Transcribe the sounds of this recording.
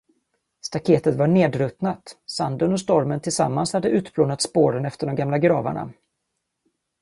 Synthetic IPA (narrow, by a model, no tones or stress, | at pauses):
st̪akʰeːt̪ət̪vaɳeːd̪ɾɵt̪nat̪sand̪ənɔst̪ɔɾmənt̪ʰɪlsa̰mːanshad̪ːəʔʉ̟ːt̪bʰloːnat̪spoːɾənɛft̪əɖɔmɡamlaɡɾɑːva̰ɳa̰